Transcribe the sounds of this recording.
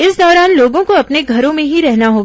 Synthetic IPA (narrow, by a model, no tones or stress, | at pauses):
ɪsd̪ɔːɾaːnloːɡõkoɐpneɡʱɐɾõmẽɦiɾɛɦnaɦoːɡ